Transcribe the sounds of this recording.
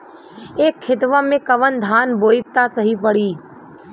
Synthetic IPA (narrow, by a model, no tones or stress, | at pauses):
eːkʰːɪt̪ʋamẽkəʋənd̪ʱaːnboːɪk̚t̪asəɦipəɽiː